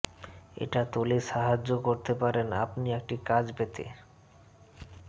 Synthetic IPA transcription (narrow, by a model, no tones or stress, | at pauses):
ḛʈat̪oleʃaɦad͡ʑːokoɾt̪epaɾena̰pniek̚ʈikad͡ʑpet̪ḛ